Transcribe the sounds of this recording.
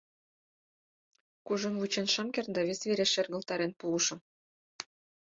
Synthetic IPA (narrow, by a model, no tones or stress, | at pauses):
kuʒɤ̆nβut͡ɕenʃɑmkʲernd̪ɑβʲesβeɾeʃerɣə̆lt̪ɑɾenpuluʃɤ̆m